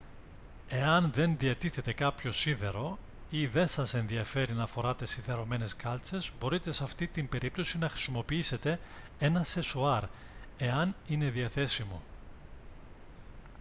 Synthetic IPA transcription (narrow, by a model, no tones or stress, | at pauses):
e̞ɐnðe̞nðiɐt̪iθe̞t̪e̞kɐpço̞sinðe̞ɾo̞ | iðe̞nsɐse̞nðiɐfe̞ɾinɐːfo̞ɾɐt̪e̞sinðe̞ɾo̞me̞ne̞skɐlt͡se̞zbo̞ɾit̪e̞sɐft̪it̪imbe̞ɾip̚t̪osinɐxɾi̥simo̞piise̞t̪e̞ | e̞nɐsesuɐɾ | e̞ɐnine̞ðiɐθe̞simo̞̰